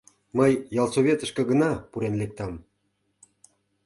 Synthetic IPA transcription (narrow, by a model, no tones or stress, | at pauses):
məjːɑlˠsoβʲet̪ə̆ʃkə̆ɡənɑpuɾenlek̚t̪ɑm